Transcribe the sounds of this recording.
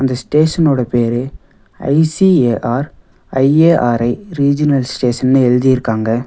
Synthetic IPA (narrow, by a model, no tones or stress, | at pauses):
ɐnd̪ɐsʈeːʂɐnoːɽɐpeːɾɯ | ɐ̰ɪsieːʔaːɾ | ɐɪeːʔaːɾɐɪɾiːd͡ʒɪnɐlsʈeːʂɐnnɯɛɻɯðɪjɪɾɯkːaːŋɡɐ